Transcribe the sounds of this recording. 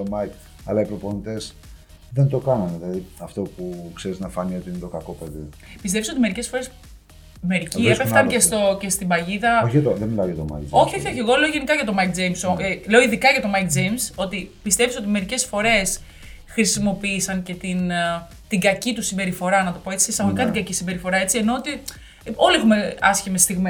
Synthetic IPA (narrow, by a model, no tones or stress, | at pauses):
omɐik | ɐ̰lɐipɾo̞ponit̪e̞s | ðent̪o̞kɐnɐnilɐðiɐft̪o̞pukse̞ɾiznɐfɐnio̞t̪iinet̪o̞kɐko̞peði | pist̪efso̞t̪ime̞ɾice̞sfo̞ɾe̞s | me̞ɾiciepeft̪ɐnest̪o̞ce̞st̪ibɐʝiðɐoçiɐt̪oðenmilɐojɐt̪omɐ̰jkd͡ʒo̞çioçioçeɣo̞le̞oʝe̞nikɐʝɐt̪o̞mɐik̚d͡zejmsole̞o̞iðikɐʝɐt̪o̞mɐikd͡zejmso̞t̪ipist̪e̞pisot̪ime̞ɾice̞sfo̞ɾe̞s | xɾisimo̞piːsɐŋce̞t̪in | t̪iɡɐcit̪usimbe̞ɾifo̞ɾɐnɐt̪o̞po̞et͡si̥esɐɣoikɐt̪iɡɐcisimbe̞ɾifo̞ɾɐe̞t͡sie̞no̞ot̪i | o̞liexume̞ɐsçimest̪iɣme